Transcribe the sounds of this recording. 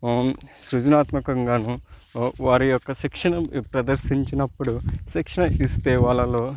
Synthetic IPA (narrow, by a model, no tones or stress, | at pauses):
sɾud͡ʒɐnaːt̪mɐkɐŋɡaːnu | ʋaːɾijɔkːɐʃikʂɐɳɐpɾɐd̪ɐɾʃiɲt͡ʃinɐpːuɽuʃikʂɐɳɐist̪eːʋaːɭːɐlo̞ː